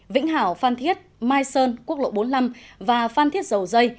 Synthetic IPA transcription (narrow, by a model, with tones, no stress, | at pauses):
vḭ˧˥ŋ̟ɦaː˧˩wfaː˧nt̪ʰi˦˥ət̚maː˧jsəː˧nku˦˥ək̚lo̰˧˨ɓo˨˦nla˧mvaː˨˩faː˧nt̪ʰi˦˥t̚zə˨˩wzə˧j